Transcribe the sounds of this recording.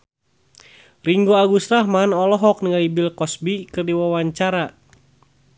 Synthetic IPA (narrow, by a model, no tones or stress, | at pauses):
riŋɡoaɡusɾahmanɔlɔɦɔk̚nəŋalibilkɔsbikɨrdiwawaɲt͡ʃaɾa